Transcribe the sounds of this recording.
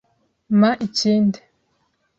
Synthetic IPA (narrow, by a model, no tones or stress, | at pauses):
maʔiciːnde